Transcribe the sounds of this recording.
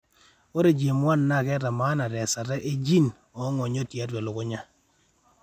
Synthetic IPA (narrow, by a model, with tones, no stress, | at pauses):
o˦ɾe˦˨d͡ʒje˨mwa˦˨nːa˦˨kɛ˦ta˨ma˦na˨ɾɛ˨sa˨ɾɛ˦ʔe˦d͡ʒi˦˨n | ɔ˨˦ŋɔ˨ɲo˦˨tja˦dwɛ˨lʊ˨ko˦ɲa˦